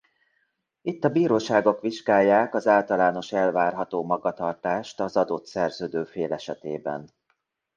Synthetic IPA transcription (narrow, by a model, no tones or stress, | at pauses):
it̪ːɒbiːɾoːʃaːɡo̞kʋiʒɡaːjːaːkɒzaːlt̪ɒlaːno̞ʃɛlvaːrɦɒt̪oːmɒɡɒt̪ɒrt̪aːʃt̪ɒzɒd̪ot̪sɛrzøːd̪øːfeːlɛʃɛt̪eːbɛ̰n